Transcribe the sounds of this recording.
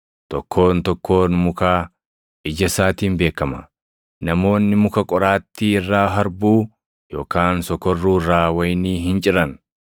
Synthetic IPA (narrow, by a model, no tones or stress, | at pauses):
t̪ɔkʰːo̞ːnt̪ɔkʰːo̞ːnmʊkaː | ʔɪd͡ʒɐsaːt̪iːmbeːkːɐmɐ | nɐmo̞ːnːɪmʊkɐkʼɔɾaːt̪ːiːɪrːaːɦɐɾbuː | jo̞ːkaːnsɔkɔrːuːrːaːwɐjniːɦɪnt͡ʃʼɪɾɐn